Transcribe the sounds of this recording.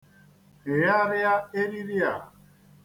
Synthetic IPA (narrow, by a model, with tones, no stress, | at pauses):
ɦɪ˨ja˦ɾɪ˦a˦e˦ɾi˦ɾɪ˦a̰˨